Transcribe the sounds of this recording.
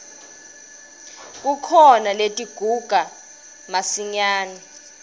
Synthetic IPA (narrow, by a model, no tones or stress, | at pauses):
k̬ʼukʰɔnaletʼiɡ̥ʱuɡ̥ʱa | masiɲaːni